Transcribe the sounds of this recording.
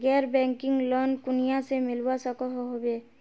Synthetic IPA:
ɡɛɾbɛŋkiŋlɔnkunijasemilwasɔkɔɦɔɦobe

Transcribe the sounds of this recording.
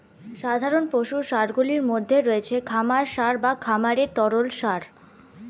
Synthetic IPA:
ʃad̪ʱaɾonpoʃuʃaɾɡuliɾmod̪ʱːeɾoet͡ɕʰekʰamaɾʃaɾbakʰamaɾeɾt̪ɔɾolʃaɾ

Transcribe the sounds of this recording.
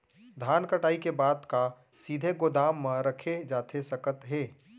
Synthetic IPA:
d̪ʱaːnkəʈaːikebaːd̪ka | siːd̪ʱeɡod̪aːmːə̃ɾəkʰed͡ʒaːt̪ʰesɐkət̪ɦeː

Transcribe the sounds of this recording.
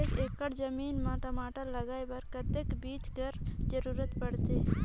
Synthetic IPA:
ekeːkːəɽd͡ʒəmiːnmaːʈamaːʈaləɡaːebəɾkət̪ekbiːt͡ʃɡəɾd͡ʒəɾuːɾət̪bəɽt̪e

